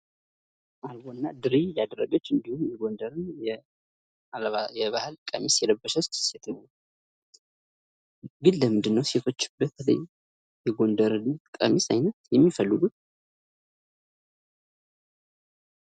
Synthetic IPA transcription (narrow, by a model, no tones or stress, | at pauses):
ʔalɡo̞ɨnːad̪ɨɾijad̪əɾːəɡət͡ʃːɨnd̪ihumjɛɡo̞nd̪əɾɨnjɛ | alβajɛβahɨlkʼəmisjɛləbːəʃəst̪set̪nəw | ɡɨnləmɨnd̪ɨnːəwse̞t̪ʰo̞t͡ʃːbət̪ʰələ̰j | jɛɡo̞nd̪əɾɨnkʼə̰misa̰jnət̪jɛmːifəlːɨɡu